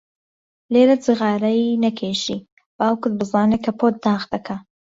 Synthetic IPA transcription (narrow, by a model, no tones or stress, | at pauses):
leːɾɐt͡sɨɣɑːɾɐjnɐkʰeːʃi | b̥aːwkʊd̪̚bɨzɑːnekʰɐpʰot̪̚d̪ɑːxd̪ɐkʰɐ